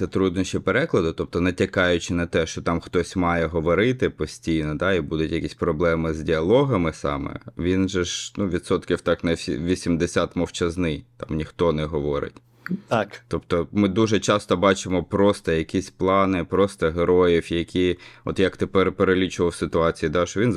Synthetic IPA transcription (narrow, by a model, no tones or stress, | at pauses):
ɛt̪ɾud̪nɔʃt͡ʃipeɾɛklˠɐd̪ʊt̪ɔp̚t̪ɔnɐtʲɐkɑjʊt͡ʃɪnɐt̪ɛʃt͡ʃɔt̪ɑmxt̪ɔsʲmɑjɛɦɔʋɔɾɪt̪ɪpɔsʲtʲijnɔd̪ɑibud̪ʊtʲjɐkʲisʲpɾɔblˠɛmɪzʲdʲiɐlˠɔɦɐmɪsɑ̰mɛ̰ʋʲinʒɛʒnuʋʲid̪sɔt̪kʲiwt̪ɑknɐsʲiʋʲisʲimd̪esʲat̪mɔwt͡ʃɐznɪjt̪ɑmnʲixt̪ɔnɛɦɔʋɔɾɪ̰tʲ | tt̪ɑkt̪ɔp̚t̪ɔmɪd̪uʒɛt͡ʃɑst̪ɔbɑt͡ʃɪmɔpɾɔst̪ɐjɐkʲisʲplˠɑnɪpɾɔst̪ɔɦeɾɔjiwjɐkʲʰiɔ̰t̪jɐkt̪ɪpɛrpeɾelʲit͡ʃʊʋɐwsɪt̪ʊɑt͡sʲijid̪ɑʃt͡ʃɔʋʲin